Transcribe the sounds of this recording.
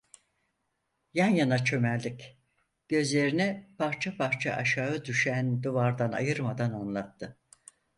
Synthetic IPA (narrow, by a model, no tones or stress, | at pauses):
janjanat͡ʃʰø̞mællʲːic | ɟ̥ø̞zlʲe̞ɾinɛpʰaɾt͡ʃʰapʰaɾt͡ʃʰa̰ʔaʃaːɯd̪yʃænd̪uvaɾd̪ana̰jɯɾmad̪ananlˠat̪ʰːɯ